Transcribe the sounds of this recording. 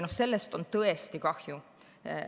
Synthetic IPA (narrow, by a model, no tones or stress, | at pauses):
nohse̞lːe̞st̪o̞nt̪ɤe̞st̪ikɑhju